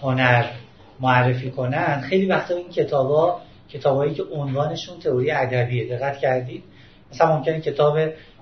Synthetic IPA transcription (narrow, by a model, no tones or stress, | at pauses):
ho̞næɾ | moærːe̞fiːkʰo̞nænd̪xe̞jliːvæxt̪ɒːeiːncʰe̞t̪ʰɒːbɒː | cʰe̞t̪ʰɒːbɒːjiːcʰe̞ʔonvɒːne̞ʃuːnt̪ʰe̞oɾijeæd̪æbiːed̪e̞ɣːæt̪ʰcʰæɾd̪iːd̪̥ | mæsææmo̞mcʰe̞necʰe̞t̪ʰɒːbe̞